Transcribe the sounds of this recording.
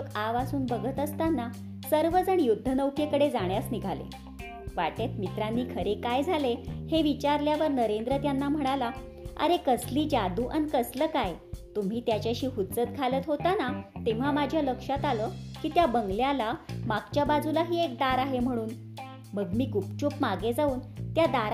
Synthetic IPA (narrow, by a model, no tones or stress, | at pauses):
kaʋasuːnbəɡʱət̪əst̪anːa | səɾʋəd͡zəɳ̃ijud̪ʱːənəʋkekəɽed͡zaɳjasniɡʱalḛ | ʋaʈet̪mit̪ɾanːiːkʰəɾekajd͡zʱaleheʋit͡ɕaɾljaʋəɾnəɾend̪ɾət̪janːam̤əɽ̃ala | ə̰ɾekəsliːd͡ʑad̪uːʔa̰nkəsləkajt̪um̤iːt̪jat͡ɕaɕiːɦut̪t͡sət̪̚ɡʰʱalət̪ɦot̪anat̪eʋ̤amad͡ʑʱjaləkʂat̪aləːkiːt̪jabəŋɡljalamaɡt͡ɕjabad͡zulaɦiːek̚d̪aɾaɦem̤əɽ̃uːn | məɡmiːkupt͡ɕupmaɡed͡zauːnt̪jad̪aɾ